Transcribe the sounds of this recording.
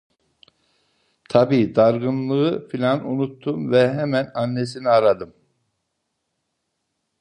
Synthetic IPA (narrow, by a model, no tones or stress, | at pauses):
t̪ʰabiːd̪aɾɡɯnlˠɯɯfilʲanunut̪ʰːumvɛɦɛmænanːesiniaɾad̪ɯm